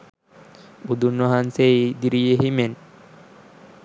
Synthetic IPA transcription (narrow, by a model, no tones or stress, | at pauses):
ud̪unʋaɦanseid̪iɾijeɦimen